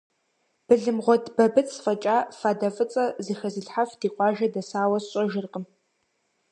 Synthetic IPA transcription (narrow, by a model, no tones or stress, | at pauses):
b̥ɨɮɨmʁʷɔdbɐbɨt͡ssfɐt͡ʃʼaːfaːdɐfʼɨt͡sʼɐziːxɐzɨɬħafd̥iːqʷʼɑːʒɐdɐsaːwɐsɕʼɔʒɪrqʼəm